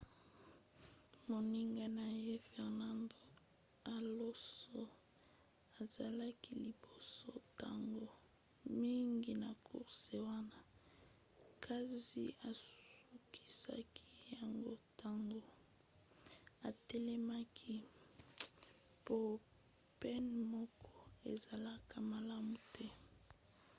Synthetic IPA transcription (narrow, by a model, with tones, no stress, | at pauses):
mo˨ni˦ŋɡa˨na˨je˦fɛ˨ʁna˦ndo˨ | a˨lo˦so˦ | a˨za˨la˦ki˦li˨bo˨so˦ta̰˨ŋɡo˦ | mi˦ŋɡi˨na˨kʰṵ˦se˨wa˦na˦ | kʰa˦zḭ˨a˨su˦kʰi̥˦sa̰˦kʰi˦ja˨ŋɡo˦ta˦ŋɡo˦ | a˨tɛ˦lɛ˦ma˦kʰi˦ | po˦ | pɛ˦nmɔ˦kʰɔ˦e˨za˨la˦ka˨ma˨la˦mu˨tʰɛ˦